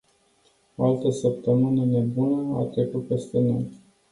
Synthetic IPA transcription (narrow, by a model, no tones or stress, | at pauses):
oalt̪əsəp̚t̪əmɨnəne̞bunəa̰t̪ɾe̞kut̪̚pe̞st̪e̞no̞j